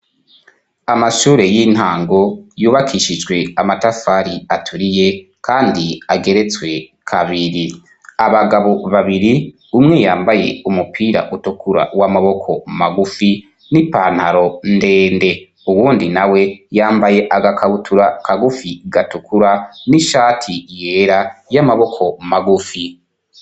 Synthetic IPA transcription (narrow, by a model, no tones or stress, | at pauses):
amaʃuːɾe̞jiːn̥haːŋɡo̞juːβakʰiʃid͡ʒɡwe̞amatafaɾiatʰuɾije̞ | kʰaːndiaɡe̞ɾe̞t͡swe̞kʰaβiɾi | aβaɡaβo̞βaβiɾi | umŋe̞jaːmbaje̞̰umupʰiːɾa̰ʔutukuɾa̰wamaβo̞kʰo̞maɡufi | nipaːn̥haɾo̞nde̞ːnde̞ | uwuːndinawe̞jaːmbaje̞ʔaɡakʰaβutʰuɾakʰaɡufiɡatukuɾaniʃaːtʰije̞ːɾajamaβo̞kʰo̞maɡufi